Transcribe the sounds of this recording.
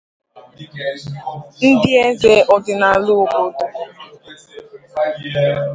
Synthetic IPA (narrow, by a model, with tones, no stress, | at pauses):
n̩˦dɪ˦e˦ze˦ʔɔ˨dɪ˨na˨lʊ˦˨ko˦to˨